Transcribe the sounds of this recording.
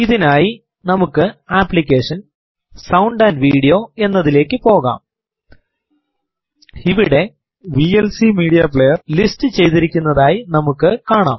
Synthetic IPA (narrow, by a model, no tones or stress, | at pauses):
iðinaːji | nɐmukːɨaːpːlik̬ʲːe̞ːʂɐn | sɐwɳɖaːnʋiːɽijo̞ːe̞nːɐðile̞ːkːɨpo̞ːɣa̰ːm | iʋiɽe̞ | ʋielsimiːɽijɐpɭejɐrlistɨt͡ɕe̞jt̪iɾikʲːunːɐðaːjinɐmukːɨkaːɳaːm